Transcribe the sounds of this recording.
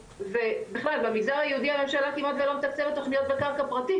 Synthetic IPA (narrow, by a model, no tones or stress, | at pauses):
ve̞beχlalbamiɡdaʁhajehud̪ihame̞mʃalakimat̪velomet̪akt͡sevetːo̞χnijo̞t̪̚bekaʁkapʁati